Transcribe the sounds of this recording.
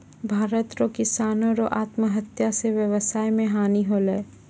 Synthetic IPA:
bʱaːɾət̪ɾokɪsaːnõɾoʔaːt̪məɦɐt̪jaseʋjəʋəsaːjmẽɦaːniɦoːləː

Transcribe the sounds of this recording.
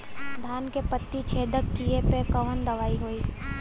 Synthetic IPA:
d̪ʱaːnkepət̪ːit͡ʃʰeːd̪əkːiepekɐʋənd̪ɐʋaːiɦoiː

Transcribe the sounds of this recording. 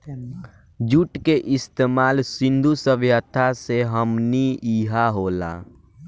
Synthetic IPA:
d͡ʒuʈkeʔɪst̪eːmaːlsɪ̃nd̪ʱusəʋjət̪ʰaseɦəmniiːɦaɦoːla̰ː

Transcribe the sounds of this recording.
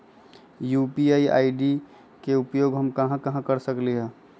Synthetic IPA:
jupiaːia̰ːiɖi | keʊpjoːɡɦəmkɐɦãkɐɦãkəɾsəkliɦɛ̃ː

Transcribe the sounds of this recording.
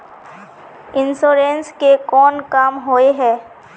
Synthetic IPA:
ɪnsoːɾenskekɔːnkaːmɦoːeɦɛː

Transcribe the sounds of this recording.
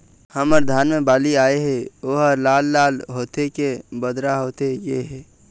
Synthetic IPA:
həməɾd̪ʱaːnmebaːliaːeɦɛoːɦəɾlaːlːaːlɦot̪ekebəd̪ɾaɦoːt̪ejeɦɛː

